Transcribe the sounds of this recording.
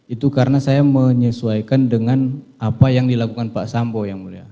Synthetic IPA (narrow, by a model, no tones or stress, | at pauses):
it̪ukaɾənasajaməɲəsuajkandəŋan | apajaŋdilakukanpasambojaŋmulia̰